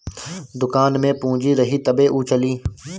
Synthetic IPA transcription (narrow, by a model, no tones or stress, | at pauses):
d̪ʊkaːnmẽpũːd͡ʒiɾɐɦit̪ɐbeʔuːt͡ʃəliː